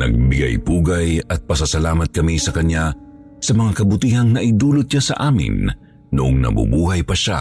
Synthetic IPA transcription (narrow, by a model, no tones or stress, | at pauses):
nɐ̰ɡ̚bɪɡa̰jpuːɡɐjɐt̪̚pɐsɐsɐlaːmɐt̪̚kɐmisɐkɐɲja | sɐmɐŋakɐbʊt̪iːhɐŋnɐʔɪd̪uːloʊt̪̚ʃasɐ̰ʔaːmɪ̰nː | ʊʔoŋnɐ̰bʊ̰buːhɐjpɐʃa̰